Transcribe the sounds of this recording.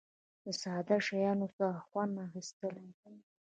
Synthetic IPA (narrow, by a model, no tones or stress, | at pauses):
əsaːd̪aʂajɑːnosaχʷanaxist̪əla